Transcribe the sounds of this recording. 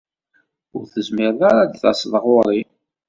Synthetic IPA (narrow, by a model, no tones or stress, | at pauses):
ʊɾθəzmɪɾðaɾad̪θɑ̰sˤðˤəʁoɾˤi